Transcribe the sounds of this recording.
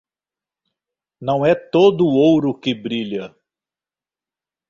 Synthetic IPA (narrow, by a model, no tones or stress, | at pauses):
nɐ̃w̃ɛt̪od̪ʊːowɾʊkɪbɾiʎɐ